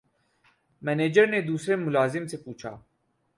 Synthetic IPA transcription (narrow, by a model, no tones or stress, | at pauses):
mɛneːd͡ʒəɾned̪uːsɾemʊlaːzɪmsepuːt͡ʃʰa̰ː